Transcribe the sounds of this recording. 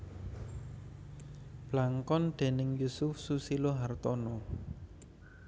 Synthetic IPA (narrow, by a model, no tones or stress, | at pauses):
b̥laŋkɔnɖ̪̥e̤nɪŋjusʊfsusiloɦart̪ɔnɔ